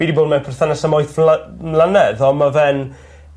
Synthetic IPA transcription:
iːdiboːdmɛnpʰɛrθanasamɔjθllˠanɛðɔmavɛn

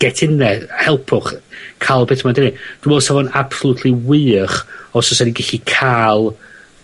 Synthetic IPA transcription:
ɡ̥ɛtʰɪnɛhɛlˠpʰʊχkʰalˠbetʰmadɪnid̥umwɛlˠsavɔnab̥sɔlˠʊtʰliwɨːχɔsɔsadiɡɛɬikʰalˠ

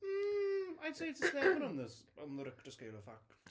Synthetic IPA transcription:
m̩aɪseɪɪtsəsɛvə̃nə̃nðəsə̃nðəɾɪktəskeɪlˠə̥fak

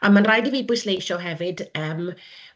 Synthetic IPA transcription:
amanrajdiviːbʊjslejʃɔɦɛvɨdəːm

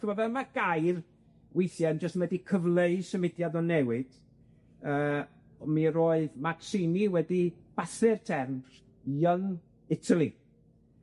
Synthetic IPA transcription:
əvɔvɛlmaɡ̥ajr | wejθjɛnd͡ʒəstmɛdikʰəvlˠeɨsəmɪdjadɔnɛwɪd̥ | əː | miɾoːɨðmaksiniwɛdib̥aθɨrtʰɛrnr | jəŋ | ɪtʰalˠi

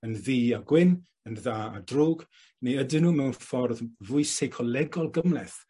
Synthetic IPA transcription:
ənðiːaɡwɪn | ənðaːa̰droːɡ | neədɪnuːmɛwnfɔrðvʊɨsejkʰɔlɛɡɔlˠɡəmlɛθ

